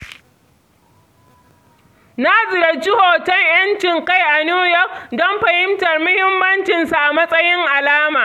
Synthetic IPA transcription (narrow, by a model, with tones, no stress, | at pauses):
na˦zɪ˨ɾɐ˨t͡ʃi˦hoː˨tɐ˦ŋj̰ɐ˦nt͡ʃɪ˨ŋka˦˨jʔa˨nuː˦jɔ˦˨k̚dɔ˦mɸɐ˨hɪ˦mtɐ˨rmʊ˦hɪ˦mːɐ˦nt͡ʃɪ˨nsa˨ʔa˨mɐ˦sʼɐ˦jɪ˦ŋʔa˨laː˦maː˨